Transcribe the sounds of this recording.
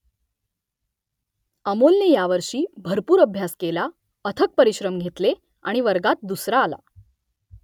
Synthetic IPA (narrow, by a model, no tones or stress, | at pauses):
əmolnejaʋəɾʂiːbʱəɾpuːɾəbʱjaskela | ət̪ʰək̚pəɾiɕɾəmɡʱet̪le | a̰ɽ̃iʋəɾɡat̪̚d̪usɾaːla̰